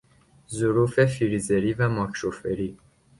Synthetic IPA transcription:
zuɾuːfefiɾizeɾivæmɒːkʰɾofeɾi

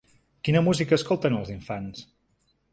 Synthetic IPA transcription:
kinəmuzikəːskolˠt̪ənəlˠziɱfans

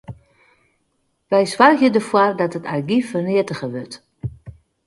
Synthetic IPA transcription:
ʋɛjswarxjədəfwɔrdɔtətʰarɡifərnɪətəɣəʋøt

